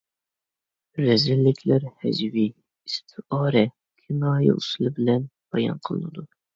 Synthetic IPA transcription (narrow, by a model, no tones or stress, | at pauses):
ɾɛzɪlːɪkʲʰlæɾhɛ̰d͡ʒvi | ist̪ʰɪɑːɾɛ | kʲʰɪnɑːjḭʔusɨlˠɨbɪlɛnb̥ɑjɑ̰nqʰəlˠɨ̰nɨd̪u